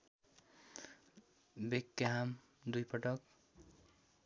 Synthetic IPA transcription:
bekːaɦam | d̪ujpʌʈʌk̚

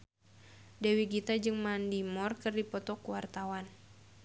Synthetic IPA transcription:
dɛwiɡit̪ad͡ʒɨŋmandimɔrkɨrdipɔt̪ɔkuwart̪awan

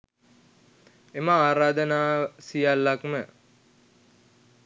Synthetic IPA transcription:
emaaːɾaːd̪ənaːsijalːakmə

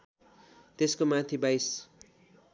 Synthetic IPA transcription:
t̪eskomãt̪ʰibajs

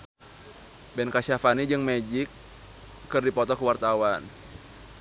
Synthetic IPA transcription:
bɛnkasafanid͡ʒɨŋmɛd͡ʒikː | ɨrdipɔt̪ɔkəwart̪awan

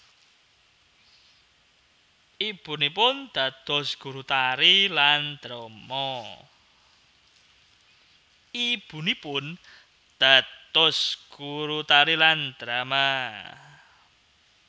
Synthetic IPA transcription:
ʔib̥ṳnipʊnd̪̥ä̤t̪ɔ̤sɡ̥ṳɾut̪aɾiland̪̥ɾɔmɔ | ib̥ṳnipʊn | d̪̥a̤dt̪ɔsɡ̥uɾut̪aɾiland̪̥ɾama

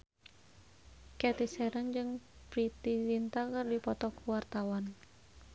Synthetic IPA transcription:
kɛt̪isɛɾənd͡ʒɨŋpɾit̪ilint̪akɨrdipɔt̪ɔkwart̪awan

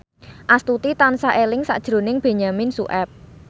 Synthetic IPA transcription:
ʔast̪ut̪it̪ansaʔelɪŋsa̰ʔd̥ʒ̥ɾo̤nɪŋb̥e̤ɲaminsuʔɛp̚

